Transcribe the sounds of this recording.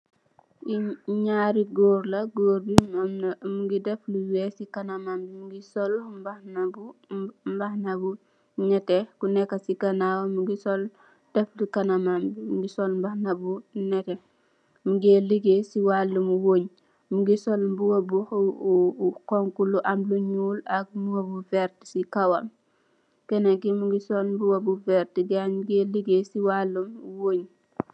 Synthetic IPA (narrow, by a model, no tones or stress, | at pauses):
iɲaːɾiɡoːɾlɐɡoːɾbimnmuɡidɛfluwɛsikɐnɐmambimuɡisɔlmbanbumbɐxnɐbu | nɛtɛkunɛkːɐsikɐnaːwɐmuɡisɔl | d̥ɛflikɐnɐmambimuɡisɔlmbɐxnɐbunɛtɛ | muɡeːliɡesiwalːumwoɲ | muɡisolmbuwobuh | koŋkuluʔamluɲuːlak̚muwobuvɛɾti̥sikawam | kɛnaɡimuɡisolmbuwɐbufɛɾtidaɲmuɡeliɡesiwalːumwoːɲ